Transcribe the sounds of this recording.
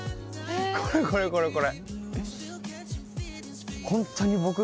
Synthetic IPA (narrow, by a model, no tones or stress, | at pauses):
kɔɹɛkɔɹɛkɔɹɛkɔɹɛ | kʰɔntʰːanibokɯ